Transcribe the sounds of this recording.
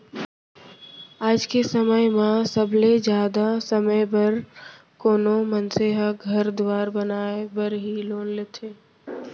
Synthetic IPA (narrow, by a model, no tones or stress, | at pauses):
aːd͡ʒkesəməjmãsəbled͡ʒjaːd̪asəməjbəɾ | koːnomənseɦəɡʱəɾd̪waːɾbənaːebəɾɦiloːnleːt̪ʰeː